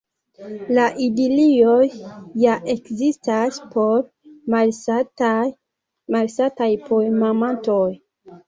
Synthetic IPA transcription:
laʔidiliojːaʔe̞kzistaspo̞ɾ | mal | malsatajpʰoemamantoj

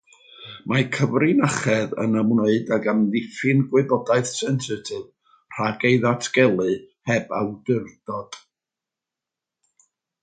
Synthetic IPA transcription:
makʰəvrɪnaχɛðə̰nəmnoɨdaɡamðɪfɨnɡwɪbɔdaɨθsɛnsɪtʰɨv | r̥aɡejðatʰɡ̥ɛlˠɨhɛba̰wdɪrd̥ɔd̥

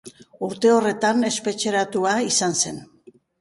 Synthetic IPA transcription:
uɾt̪e̞o̞re̞t̪ane̞spe̞t͡ʃe̞ɾat̪uaisanse̞n

